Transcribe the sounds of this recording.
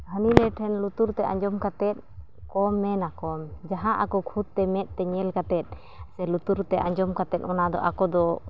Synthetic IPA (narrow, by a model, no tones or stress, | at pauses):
həninɛʈʰɛnlut̪uɾt̪ɛʔa̰ɲd͡ʒɔmkat̪ɛt̪̚ | kɔmːɛnakɔmd͡ʒaɦãʔakɔkʰut̪̚t̪ɛmɛʔ̪̚t̪ɛɲɛlkat̪ɛt̪̚ˀ | sɛlut̪uɾt̪ɛʔa̰ɲd͡ʒɔmkat̪ɛt̪̚ʔɔnad̪ɔ̰ʔa̰kɔd̪ɔ